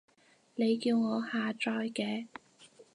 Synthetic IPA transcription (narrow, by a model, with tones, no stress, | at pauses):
ne˨˧jkiː˧wŋɔː˨˧haː˨t͡ʃɔː˧jkɛː˨˧